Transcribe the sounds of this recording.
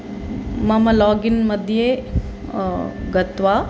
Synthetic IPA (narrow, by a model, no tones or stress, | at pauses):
mɐmɐlɔːɡinmɐd̪ʱje | ɡɐt̪ʋa